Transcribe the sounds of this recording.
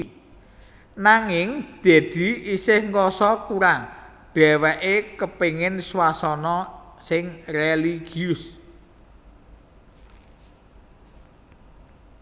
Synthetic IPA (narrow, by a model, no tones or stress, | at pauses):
naŋɪŋd̪̥e̤d̪̥i̤isɪhŋkɔsɔkuɾaŋ | ɖ̪̥ɛ̤wɛʔekəpeŋɪnswasɔnɔsɪŋreliɡ̥iʊs